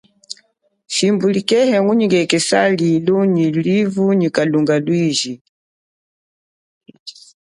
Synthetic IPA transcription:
ʃimbulikɛhɛŋuɲiŋɡɛkɛsaliluɲilivuɲikaluŋɡalwiʒi

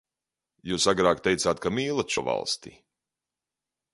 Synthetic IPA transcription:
juːsaɡɾaːkt̪ejt̪saːt̪kamiːlˠat̪t͡ʃɔva̰lˠst̪ḭ

